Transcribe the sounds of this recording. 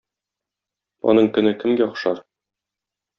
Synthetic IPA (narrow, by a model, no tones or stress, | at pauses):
ɒ̰nɤɴkɵ̆nɘkɘ̆mɡæɒχʃɑɾ